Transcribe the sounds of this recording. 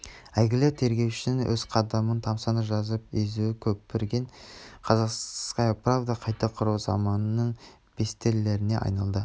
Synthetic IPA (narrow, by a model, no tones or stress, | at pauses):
æjɡʲɪlɪt̪ʰe̞ɾɡʲe̞wʃɪ̥nɪŋwʔɵz̥qʰɑd̪ɑmənt̪ʰɑmsɑnəʒɑzəp̚ezuwɪkʲʰɵpːeɾɡʲe̞ɴqʰɑzɑqsqɑjpravd̪ɑqʰɑjt̪ɑqʰʊɾuwzɑ̰mɑnnːəɴ | b̥e̞st̪elːe̞ɾɪne̞ʔɑ̰jnɑlˠd̪ə